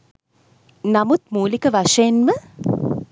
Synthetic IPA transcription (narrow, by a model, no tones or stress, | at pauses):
namut̪muːlikəʋaʂɐjenmə